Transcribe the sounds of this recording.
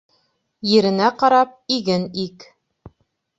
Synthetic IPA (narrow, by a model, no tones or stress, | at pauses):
jɘ̆ɾɘ̆næqɑɾɑp̚iɡɘnik